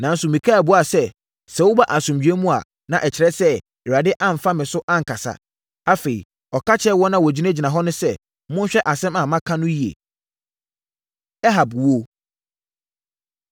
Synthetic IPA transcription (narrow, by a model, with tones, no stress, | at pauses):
nã˨n̩˦sʊ˨mĩ˨kʰa˦˨bʊ˦a˨sɛ˦ | sɛ˨wʊ˦ba˦ʔa˨sʊ̃˨md͡ʑᶣi˨˦e˦mũ˦a̰˨ | nã˨ʔɛ˨t͡ɕʰɪ˨ɾɛ˦sɛ˦ | ɛ˨ɾa˨dɪ˦ʔã˦m̩˨fa˦mɪ̃˨sʊ˦ʔã˦ŋ̩˨kʰa˨sa̰˨ | a˦fe˨ḭ˨ | ɔ˨kʰa˦t͡ɕʰɛ˦wɔ˦nã˦wɔ˨d͡ʑi˦nã˦d͡ʑi˨nã˨ɦɔ˦nʊ̃˦sɛ˦ | mʊ̃˦ɕᶣɛ˦ʔa˨sɛ̃˦mã˨mã˦kʰã˦nʊ̃˦ji˦ḛ˨ | ɛ˦ɦa˨bwo˦